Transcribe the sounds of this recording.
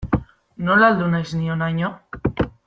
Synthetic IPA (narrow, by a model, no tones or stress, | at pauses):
no̞lald̪unajznionajɲo